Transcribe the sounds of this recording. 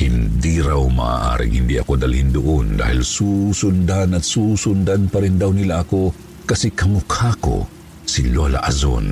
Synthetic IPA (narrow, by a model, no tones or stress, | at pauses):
hind̪iɾawma̰ʔa̰ʔa̰ɾḭŋhɪ̰nd̪iʔɐ̰kod̪alhind̪ʊʔond̪a̰ːhilsusʊnd̪anɐt̪suːsʊnd̪anpaɾind̪awnilaʔːko | kɐsikɐmʊkʰako̰ | silola̰ʔa̰zo̰n